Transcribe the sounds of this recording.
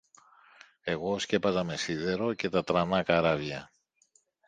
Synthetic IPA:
e̞ɣo̞sce̞pɐzɐme̞siðe̞ɾo̞ce̞t̪ɐt̪ɾɐnɐkɐɾɐvʝɐ̰

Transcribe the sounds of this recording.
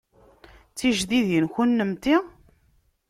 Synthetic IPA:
t͡sːiʒðiðjənçunːəmt̪i

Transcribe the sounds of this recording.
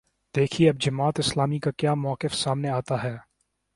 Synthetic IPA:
d̪eːkʰieɐbd͡ʒɐmaːt̪ɪslaːmikakjaːmɔːkɪfsaːmneaːt̪aɦɛː

